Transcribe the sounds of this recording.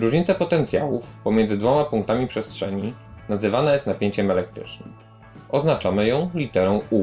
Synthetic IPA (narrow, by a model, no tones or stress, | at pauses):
ɾuʐɲit̪sapɔt̪ɛnt̪sʲja̰wufpɔmjɛndzɘd̪vɔmapuŋk̚t̪amʲipʂɛstʂɛɲinazɘvanajɛst̪napʲjeɲt͡ɕɛmɛlɛk̚t̪ɾɘ̰t͡ʂnɘm | ʔɔznat͡ʂamɘjɔ̃w̃lʲit̪ɛɾɔ̃w̃u